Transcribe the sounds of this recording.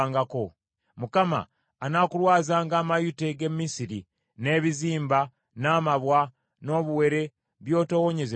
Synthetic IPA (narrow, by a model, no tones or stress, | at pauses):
ŋɡako̞ | mukama̰ː | nakulwaːzaːŋɡaːmajute̞ɡe̞mːisiɾi | ne̞ːβiziːmba | naːmaβwa | no̞ːβuwe̞ɾe̞ | βjo̞ːto̞woɲe̞ze